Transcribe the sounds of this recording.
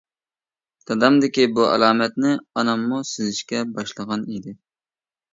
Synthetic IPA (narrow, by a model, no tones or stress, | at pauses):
t̪ʰɑd̪ɑmd̪ɪkʲibuʔɛ̰lˠɑːmɛt̪̚nɪɑnɑmːusɪzɪʃkʲɛbɑʃlˠəʁɑnid̪ɪ